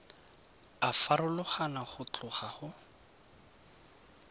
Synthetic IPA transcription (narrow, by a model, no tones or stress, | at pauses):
afaɾʊlʊχanaχʊt͡ɬʊχaχʊ